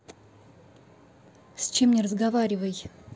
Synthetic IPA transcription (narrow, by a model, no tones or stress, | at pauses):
sʲt͡ɕemnʲɪrəzɡɐvaɾʲɪvəj